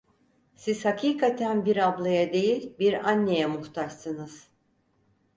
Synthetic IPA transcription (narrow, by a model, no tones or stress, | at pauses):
siz̥hakʰiːkʰat̪ʰænbiɾablˠajad̪e̞jilʲbiɾanːe̞jɛmuht̪ʰaʃsɯnɯz̥